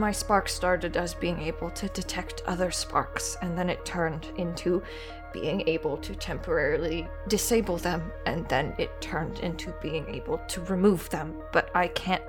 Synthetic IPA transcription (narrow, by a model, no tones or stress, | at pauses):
maɪspɑɹkstɑɹɾɨɾɨzbiɪ̃ŋeɪbl̩ˠtʰɨdɨtʰɛk̚tʰʌ̰ðə˞spʰɑ̰ɹksɨ̃nðɨ̃nɨtʰɜ̃˞ndɪ̃ntʰʉ | b̥ḭɪ̃ŋeɪbl̩ˠtʰɨtʰɛ̃mpʰə˞ɛɹl̩ˠi | dɨseɪbl̩ˠðɨ̃m | ʔɨ̃nðɨ̰̃nɪtʰɜ̃˞ndɪ̰̃ntʰʉbiɪ̃ŋḛɪbl̩ˠtʰɨɹɨmuvðɨ̃m | b̥ʌɾaɪkʰæ̃nt